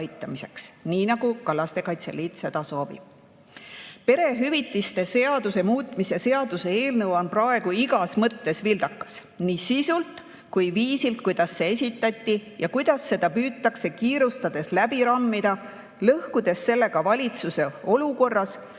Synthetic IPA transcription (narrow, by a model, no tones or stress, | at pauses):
jt̪ːˑɑmise̞ksniːnɑɡ̥ukɑlːɑst̪e̞kɑjt̪se̞̰liːt̪se̞d̪̥ɑso̞ːbḭb̥̚ | pe̞ɾe̞ɦyvit̪ːˑist̪e̞se̞ɑd̪̥use̞muːt̪ˑmise̞se̞ɑd̪̥use̞e̞ːlnɤwonprɑe̞ɡ̥uiɡɑsmɤt̪ːe̞svild̪̥ɑkːˑɑ̥s | nisisult̪ | kujviːsilt̪̚kujd̪̥ɑsːe̞es̬ʲit̪ːˑɑt̪ʲˑːijɑkujd̪̥ɑsːe̞d̪̥ɑpyːt̪ːˑɑkse̞kiːɾust̪ɑd̪̥e̞slæbiɾɑmːid̪̥ɑ | lɤhkud̪̥e̞sːe̞lːe̞ɡɑvɑlʲit̪suse̞o̞luko̞rːɑs